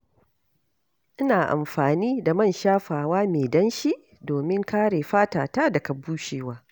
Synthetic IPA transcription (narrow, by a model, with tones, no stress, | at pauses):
ʔɪ˦naː˨ʔa̰˨mɸaː˨niː˦da˨mɐ˦˨nʃaː˦ɸaː˨waː˦meː˨dɐ˦nʃi˦ʔ | doː˨mɪ˦ŋkaː˦ɽeː˨ɸaː˦taː˨taː˦dɐ˨ka˨buː˦ʃeː˨waː˦